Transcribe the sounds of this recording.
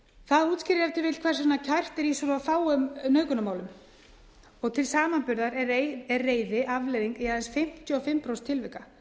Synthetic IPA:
θaðuːt̪scɪɾɪɾɛft̪ʰɪɾvɪt̪kʰvɛrsɾɪnacʰajr̥t̪ɛɾisɔɾafaːwʏmnœːɥkʏnamaːwlʏm | ɔɣt̪ʰɪlsaːmanpʏɾðaɾɛeɛrrːeːjðɪʔavlɛðiŋkɛaðɛnsfɪm̥t̪jʏɔfɪmpɾowst̪ʰɪlvɪhka

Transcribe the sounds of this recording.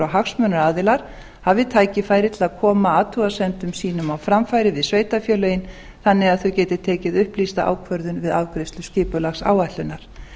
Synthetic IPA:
awɦaxsmœnʏɾaːðɪlaɾ̥ | havɪt̪ʰaːjcɪfaːjɾɪt̪ʰɪlaðkʰɔːmaaːt̪ʰuasɛnt̪ʏmsiːnʏmawfɾamfajɾɪvɪðsveːjt̪afjœːlœjɪn | θanːɪɣaðθœwcɛːt̪ɪ̥t̪ʰɛːcɪðʏhplist̪aʔa̰ːwkʰvœɾðʏnvɪðawkɾɪst̪lʏscɪːpʏlaxsa̰ːwajht̪ʏnːaɾ̥

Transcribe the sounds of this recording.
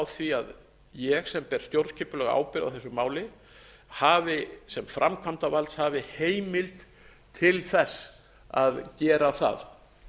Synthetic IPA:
wθviað | jɛɣsɛmpɛɾ̥st̪jowɾt̪cʰɪpʏlœɣa̰ːwpɪɾɪða̰wθɛsʏmaːwlɪ | haːvɪsɛmfɾʔamkʰamt̪avalt̪shavɪheːjmɪlt̪ | t̪ʰːɪlθɛsː | aðcɛːɾaθa̰ð

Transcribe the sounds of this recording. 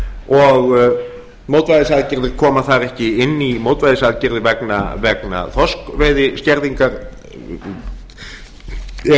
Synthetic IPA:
ɔɣ | mowt̪vajðɪsaːðcɪɾðɪɾ̥kʰɔːmaθaɾɛhcɪɪnːimoːwt̪vajðɪsaːðcɪɾðɪvɛknavɛkna̰θɔskvejðɪscɛɾðiŋkaɾ

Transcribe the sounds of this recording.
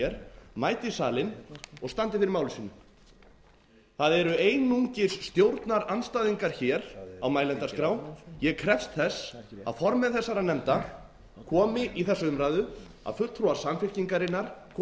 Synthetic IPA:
ɛɾ̥maːjt̪ɪisaːlɪnɔɣst̪ant̪ɪfɪɾɪɾmaːwlʏsiːnʏ | θaðɛɾʏejnuɲcɪ̥sːt̪jowɾt̪naɾanst̪aːðiŋkaɾ̥çɛːɾawmaːjlɛnt̪askɾawjɛkʰɾɛfst̪θɛsːa̰ðfɔɾmɛðθɛsːaɾanɛmt̪a | kʰɔːmɪʔiθɛsaʏmɾaːjðʏ | a̰ðfʏl̥t̪ʰɾuḁsamfɪl̥ciŋkaɾɪnːaɾ̥kʰː

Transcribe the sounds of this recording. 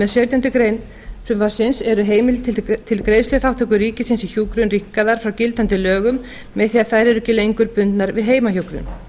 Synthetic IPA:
mɛðsœːt̪jʏnt̪ʏkɾeːjn | sɛmvḁsɪnsɛɾʏɦeːjmɪlt̪t̪ʰɪlkɾeːjslʏθawht̪ʏk̬ʏɾriːcɪsɪnsiçuːkɾʏnrihkaðaɾ̥fɾawcɪlt̪ant̪ɪlœːɣʏmː | ɛðθiːaðθajɾɛɾʏcɪlejŋkʏɾpʏnt̪naɾvɪðɦeːjmaçukɾʏ̰n

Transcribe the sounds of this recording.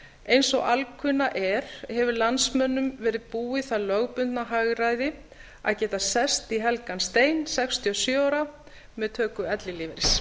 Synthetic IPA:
ejnsɔɣalkʰʏnːaʔɛɾ̥hɛvʏlansmœnːʏmvɛːɾɪðpuːɪθalœɣpʏnt̪naɦaɣɾaːjðɪ | a̰ðcɛːt̪asɛst̪iɦɛlkanst̪eːjnsɛkst̪ʰiɔsjœaːɾa | mɛðt̪ʰœːkʏɛt̪lɪliːvɛɾs

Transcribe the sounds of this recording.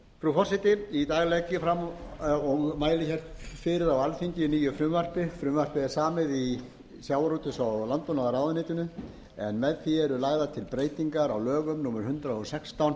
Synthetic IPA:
fɾufɔrsɪt̪ɪit̪aːɣlɛcɪfɾamɔɣmaːjlɪçɛr̥t̪fɪɾɪðawalfiɲc̪ɪniːjʏfɾʏːmvar̥pɪfɾʏːmvar̥pɪɛɾ̥saːmɪði | sjaːwaɾuːt̪ʏsawlant̪ɔnaðaɾaːwðɪnɪːt̪ʏnʏ | ɛnmɛðθiɛɾʏlaːɣðat̪ʰɪlpɾeːjt̪iŋkaɾawlœːɣʏmnuːmɛɾ̥hʏnt̪ɾaɔsɛkst̪awn

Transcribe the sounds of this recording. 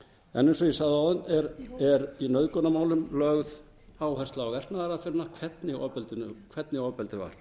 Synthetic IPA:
ɛ̰nejnsɔjɛsaɣðɪawðʏnɛɾɛɾinœɥðkɔnamaːwlʏmlœɣð | aːwhɛrst̪laawvɛr̥t̪naaɾaðfɪɾnakʰvɛt̪nɪɔ̰pɛlt̪ʏnʏkʰv̥ɛt̪nɪɔpɛlt̪ɪva̰ɾ̥

